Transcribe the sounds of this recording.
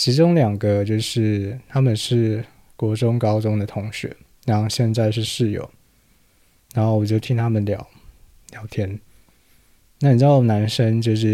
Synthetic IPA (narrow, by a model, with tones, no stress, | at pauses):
t͡ɕʰi˧˥ʈ͡ʂʊ˥ŋljɑ˨˩ŋɡə˦t͡ɕjo˥˧ʊʂɻ̩˥˩t̪ʰa˥mə˨nʂɻ̩˥˩ | kwɔ˧˥ʈ͡ʂʊ˥ŋkɑ˥ʊʈ͡ʂʊ˥ŋd̪ə˨t̪ʰʊ˧˥ŋɕɥɛ̰˧˥˦ | ɻa˧˥nxo˥˧ʊɕjɛ˥˧nt͡sa˥˧ɪʂɻ̩˥˧ʂɻ̩˥˩jo̰˨˦ʊ | na˧˥nxo˥˩ʊwɔ˨˩t͡ɕjo˥˩t̪ʰi˥ŋt̪ʰa˥mə˨nljɑ˨˦ʊ | ljɑ˨˩ʊt̪ʰjɛ˥n | na˥˩ni˨˩t͡ɕɑ˥˩na˧˥nʂə˥ŋt͡ɕjo˥˧ʊʂ̬ɻ̩˥˩